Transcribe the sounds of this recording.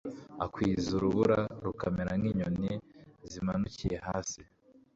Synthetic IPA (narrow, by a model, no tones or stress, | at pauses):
a̰kwiːzuɾuβuɾaɾukameɾamŋiːɲonizimanucijehaːsi